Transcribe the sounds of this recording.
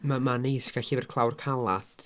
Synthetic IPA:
mamanejskaɬivɛrkʰlˠawrkʰalˠaθ

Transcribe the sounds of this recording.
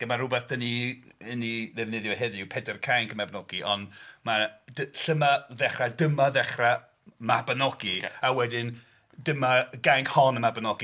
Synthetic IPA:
ɡ̥əmarʊbɛθd̥əniəniðɛvnɪðjɔɦɛðɪwpʰɛdərkʰajŋkʰəmabnɔɡiʔɔnmadəɬəmaðɛχradəmaðɛχra | mabənɔɡiawɛdɪn | dəmaɡajŋkhɔnəmabənɔɡi

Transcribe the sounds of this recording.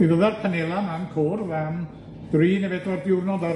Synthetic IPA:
wibəðarpʰanelˠamankʰoːrvɛm | d̥riːnɛvɛdɔrdɪwrnɔda

